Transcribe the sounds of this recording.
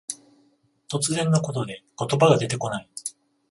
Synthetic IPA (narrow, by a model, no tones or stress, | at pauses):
t̪o̞t͡sɨzẽ̞nːako̞t̪o̞d̪e̞ko̞t̪o̞baɡad̪e̞t̪e̞ko̞nai